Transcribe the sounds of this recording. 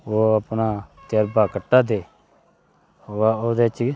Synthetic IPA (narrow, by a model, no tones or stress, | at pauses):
oːəpnaːt̪əɾbaːkəʈːaːd̪eː | oːd̪eːt͡ʃ